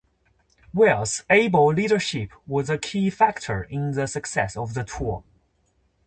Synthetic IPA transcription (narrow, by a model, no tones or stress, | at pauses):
wɛlˠseɪboliɾə˞ʃɪpʰ | wʌzəkʰifæk̚tʰə˞ɪ̃nðəsəksɛ̰səvðətʰɔɹ